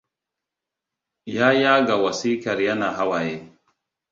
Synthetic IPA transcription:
jaː˦ja˦ɡa˨wa˨si˦ka˨ɾja˦na˨ɦa˦wa˨je˦

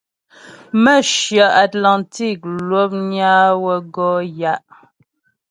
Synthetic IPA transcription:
mə˦˨ʃja˨ʔa˨tla˨nti˦˨k̚lwo˦p̚ɲa˦wə˦ɡɔ˦ja˦ʔ

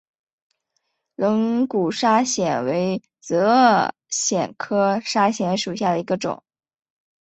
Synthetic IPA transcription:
lɤ˧˥ŋku˨˩ʂa˥ɕjɛ˨˩nwe˧˥ɪ | t͡sɤ˧˥ | ɕjɛ˨˩nkʰɤ˥ʂa˥ɕjɛ˧˥nʂu˨˩ɕja˥˩d̪ə˩i˧˥ɡə˧ʈ͡ʂʊ̰˨˩˦ŋ

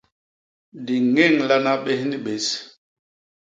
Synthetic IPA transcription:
di˨ŋɛ˦˨ŋla˦na˦ɓe˦hni˦ɓe˨s

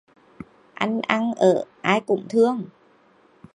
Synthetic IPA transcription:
ʔa˧nʔa˧ŋʔəː˧˩ʔaː˧jkʊ̰˧˩ŋ͡mt̪ʰɨ˧əŋ

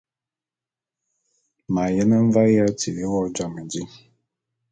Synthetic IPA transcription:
ma˨jɛ˦na˦m̩˦va˦ja˦ti˨e˦wɔ˦d͡ʒa˨ma˨d͡ʒi˦

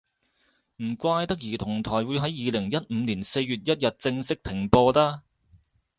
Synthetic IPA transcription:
m̩˨˩kʷaː˧jt̪ɐ˥k̚jiː˨˩t̪ʰʊ˨˩ŋt̪ʰɔː˨˩jwuː˨˧jɦɐ˨˥jːiː˨˧lɪ˨˩ŋjɐ˥t̚m̩ː˨˧niː˨˩nse˧jɥyː˨t̚jɐ˥t̚jɐ˨t̚t͡sɪ˧ŋsɪ˥k̚t̪ʰɪ˨˩ŋpɔː˧t̪aː˥

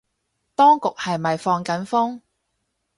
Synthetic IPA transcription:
t̪ɔː˥ŋkʊ˨k̚hɐ˨jmɐ˨jfɔː˧ŋkɐ˨˥nfʊ˥ŋ

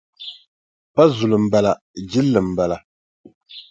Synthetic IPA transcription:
pa˦zu˨lɨ˨m̩˨ba˦la˨ | d͡ʒi˦lːɨ˨m̩˨ba˨la˨

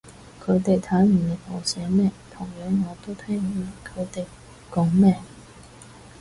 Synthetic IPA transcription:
kʰɵ˨˧˥t̪e˨jt̪ʰaː˨˥nmy˨˩nle˨˩mɔ˨˩wsɛː˨˥mɛː˥˩t̪ʰʊ˨˩ŋjœː˨˥ŋːɔː˨˧t̪o˥wt̪ʰɛː˥ŋjiː˨˧˩kʰɵ˨˧t̪e˨j | kɔ˨˥ŋmɛː˥˩

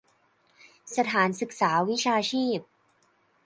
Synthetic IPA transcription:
sa˧t̪ʰaː˩˦nsɯ˨˩k̚saː˩˦wi˦˥t͡ɕʰaː˧t͡ɕʰiː˥˩p̚

